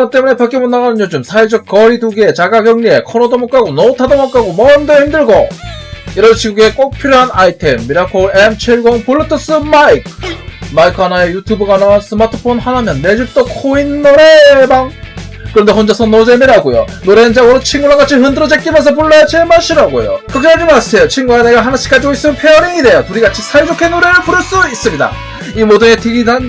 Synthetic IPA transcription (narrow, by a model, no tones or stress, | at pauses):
ɾat͈e̞mune̞pak͈imonːaɡanɯnd͡ʑod͡ʑomsʰaid͡ʑʌk̚k͈ʌɾiduɡie̞t͡ɕaɡaɡjʌŋɲie̞kʰʌnʌdomʌk͈aɡonʌutʰadomok͈aɡomʌndʌhimdɯɭɡʌ | iɾʌɭt͡ɕiɡuɡe̞k͈ok̚pʰiɾjoɦanaitʰemːiɾakʰoemt͡ɕʰiɭɡʌŋpuɭːɯtʰɯs͈ɯmaikʰmaikʰanaejutʰjubɯɡanawansʰɯmatʰɯ̥pʰonhanamjʌnːe̞d͡ʑiɭ̚t͈okʰoinːoɾebaŋ | kɯɾʌnde̞hond͡ʑʌsʰʌnod͡ʑemeɾaɡojo̰noɾend͡ʑaɡɯɾot͡ɕʰiŋɡuwaɡat͡ɕʰiɦɯndɯɾʌd͡ʑek͈imʌns̬ʰʌp̬uɭːʌjat͡ɕemaɭɕ͈ʰiɾaɡojo̰kɯkʰeaɭd͡ʑimas͈ejot͡ɕʰiŋɡuaneɡaɦanaɕʰi̥k͈ad͡ʑiɡois͈ɯmnpʰeʌɾiide̞jotuɾiɡat͡ɕʰisʰaɭd͡ʑokʰenoɾe̞ɾɯɭpuɾɯɭs͈uis͈ɯmɲida̰ | imoduŋe̞tʰeɡidan